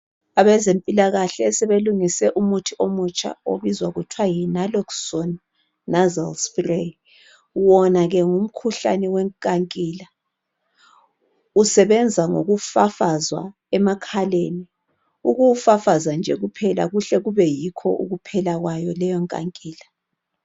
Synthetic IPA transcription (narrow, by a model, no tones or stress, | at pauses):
aβɛzempʼilaɣaɬɛːsɛβeluŋisɛʔumutʰiʔomut͡ʃʼa̰o̰βizwaɣutʰwajinalɔksɔnː | azalspre | wɔnaɣɛŋum̩kʰuɬa̰nɛwɛŋkʼaŋkʼiːla | usɛβɛnd͡zʱaŋo̰ɣufafazwa̰ | ɛmakʰaleni | uɣuwufafazand͡ʒʱɛɣupʰɛla̰ɣuɬɛɣuβɛjikʰɔ̰ʔuɣupʰɛlaɣwajɔlɛjɔŋkʼa̰ŋkʼiːla